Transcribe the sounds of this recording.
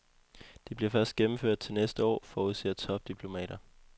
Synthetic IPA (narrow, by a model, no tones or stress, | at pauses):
d̥e̝b̥liɐfɶɐsd̥̚ɡ̥emm̩føɐ̰d̥̚t͡sʰe̝lnesd̥əɒ̰ːfɒːuðˠse̥t͡sʰɒ̽b̥̚d̥ipʰlo̝mɛ̰ːɾ̥ɐ